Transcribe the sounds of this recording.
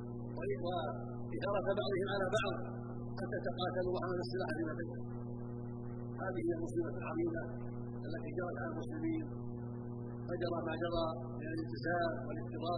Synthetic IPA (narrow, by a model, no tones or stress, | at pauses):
wawa | ʔɪðɑɾˤɑfabɑʕðˤɨhɪmʕalaːbɑʕd̪ˤ | qat̪at̪aqɑːt̪alʊhʕanalɑsˤːɨlaːħalɪmataja | haːðɪhɪjːalmʊsiːbalʕɑðˤiːda | ʔalːat̪iːd͡ʒɑɾˤɑt̪ʕalalmʊslɪmiːn | fad͡ʒɑɾˤɑmaːd͡ʒɑðˤɑ | mɪnalɪlt̪ɪzaːmwɪlɪt̪ːɨðˤɑː